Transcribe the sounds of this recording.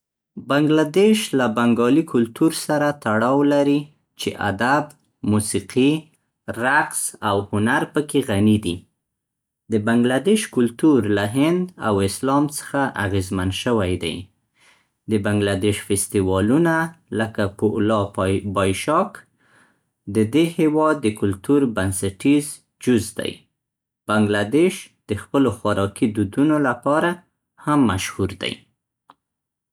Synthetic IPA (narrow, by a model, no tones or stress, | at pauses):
baŋɡlad̪eʃlabaŋɡɑlikʰʊlt̪uɾsaɾat̪aɽɑwlaɾi | t͡ʃḛʔa̰d̪ab | musiqi | ɾaqsawhʊnaɾpəkeɣanid̪i | d̪əbaŋɡlad̪eʃkʊlt̪uɾlaɦɪnd̪a̰wɪslɑmt͡sə̥xaʔaɣezmanʃəwajd̪a̰j | d̪əbaŋɡlad̪eʃfɪst̪iwɑlunaləkapəlɑbɑjʃɑk | d̪əd̪ehewɑd̪ːəkʊlt̪uɾbansaʈiz | d͡ʒʊzd̪a̰j | b̥aŋɡlad̪eʃd̪̥əxpəloxwaɾʔɑkid̪ud̪unolapɑɾa | hamːaʃhuɾd̪a̰j